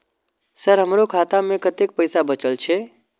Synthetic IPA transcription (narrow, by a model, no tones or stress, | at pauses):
səɾɦəmɾokʰat̪amekət̪ek̚pəjsabət͡ʃəlt͡ʃʰe